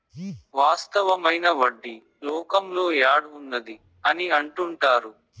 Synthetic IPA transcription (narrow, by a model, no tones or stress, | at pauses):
ʋaːst̪ɐʋɐmɐjnɐʋɐɖːi | lɔːkɐmlo̞ːjaːɽund̪ɐd̪i | ɐniɐɳʈuɳʈaːɾu